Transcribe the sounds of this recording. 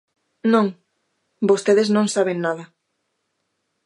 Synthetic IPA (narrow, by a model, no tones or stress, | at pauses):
nõŋ | bost̪eðeznõŋsaβ̞eŋnaðɐ